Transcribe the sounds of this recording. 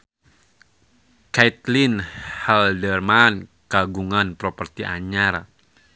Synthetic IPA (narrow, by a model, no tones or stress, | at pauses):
kajt̪linhaldərman | kaɡuŋanpɾɔpərt̪iʔaɲaɾ